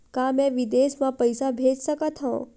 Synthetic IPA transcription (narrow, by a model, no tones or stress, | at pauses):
kamẽʋid̪esmãpəjsabʱed͡ʒʃəkət̪ɦo̰